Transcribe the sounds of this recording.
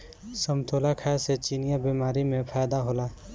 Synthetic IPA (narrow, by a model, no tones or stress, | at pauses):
səmt̪ʰoːlakʰaset͡ʃiːnɪjabiːmaːɾimẽpʰajd̪aɦoːlaː